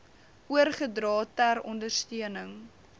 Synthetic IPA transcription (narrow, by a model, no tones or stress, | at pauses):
ʔuərχədrɑːtærɔndərstiənəŋ